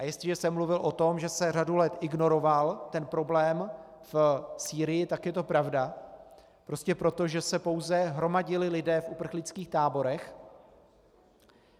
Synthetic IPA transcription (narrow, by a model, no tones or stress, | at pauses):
ʔajɛst̪lɪʒɛsɛmːluvɪlʔo̞t̪o̞mʒɛsɛr̝adulɛt̪ʔɪɡno̞ɾo̞valt̪ɛnpɾo̞blɛːm | fsiːɾɪjɪt̪akjɛt̪o̞pɾavda | pɾo̞scɛpɾo̞t̪o̞ʒɛsɛpo̞wzɛɦɾomaɟɪlɪlɪdɛːfupr̩xlɪt͡skiːxt̪aːbo̞ɾɛx